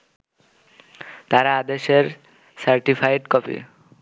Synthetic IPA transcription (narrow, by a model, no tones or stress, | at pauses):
t̪aɾaad̪eʃeɾ | saɾʈifʰajɖkɔpḭ